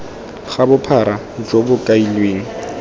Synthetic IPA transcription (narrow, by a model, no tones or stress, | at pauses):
χabʊpʰaɾa | d͡ʒobʊkʼailweːŋ̩